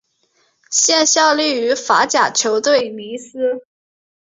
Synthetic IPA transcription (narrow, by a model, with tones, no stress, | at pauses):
ɕjɛ˥˧nɕjɑ˥˧ʊli˥˩y˧˥fa˧˥t͡ɕja˨˩t͡ɕʰjo˧˥ʊt̪we˥˩ɪni˧˥sɹ̩˥